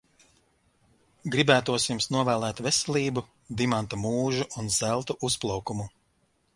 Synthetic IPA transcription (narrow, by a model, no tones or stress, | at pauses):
ɡɾibæːt̪uɔsimsnuɔvæːlˠæːt̪vɛsɛlʲˠiːbu | d̪imant̪amuːʒuʔunzælˠt̪uʔusplˠawkumu